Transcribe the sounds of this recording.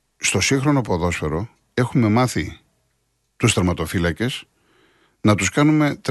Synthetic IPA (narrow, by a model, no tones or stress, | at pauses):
st̪o̞siŋxɾo̞no̞poðo̞sfe̞ɾo̞ | e̞xume̞mɐθi | t̪ust̪ɐɾmɐt̪o̞filɐce̞s | nɐt̪uskɐnume̞t̪